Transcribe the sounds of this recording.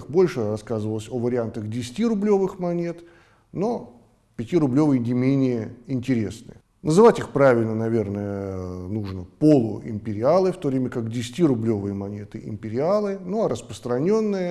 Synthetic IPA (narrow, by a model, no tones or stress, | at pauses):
xbo̞lʲʂɨrɐskazɨvəlˠəsʲovəɾʲɪant̪əxdʲɪsʲɪtʲiɾʊblʲo̞vɨxmɐnʲet̪ | no̞ | pʲɪtʲiɾʊblʲo̞vɨjənʲɪmʲenʲɪjəɪnʲtʲɪɾʲe̞snɨ̰jə | nəzɨvatʲixpɾavʲɪlʲnənɐvʲe̞rnəjənuʐnəpo̞lˠʊ̰ʔɪ̰mpʲɪɾʲɪalˠɨft̪o̞vɾʲemʲəkakdʲɪsʲɪtʲiɾʊblʲo̞vɨjəmɐnʲe̞t̪ɨʔɪ̰mpʲɪɾʲɪalˠɨnuɐɾəspɾə̥st̪ɾɐnʲo̞nːɨjə